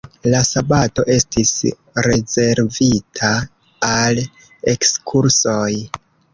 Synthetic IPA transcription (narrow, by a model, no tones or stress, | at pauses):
lasabato̞ʔe̞stis | ɾe̞ze̞ɾvitʰa | al | e̞kskʰuɾso̞j